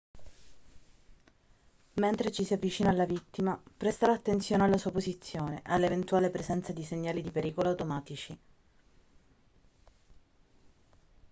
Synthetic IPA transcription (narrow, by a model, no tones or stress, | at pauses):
ment̪ɾet͡ʃisiavːit͡ʃiːnaːlːavit̪ːimapɾest̪aɾaːt̪ːent̪sjoːnealːasuːapozit̪sːjoːneʔalːevent̪uaːlepɾezɛnt̪sad̪iseɲːaːlid̪ipeɾiːkoloawt̪omaːt̪it͡ʃi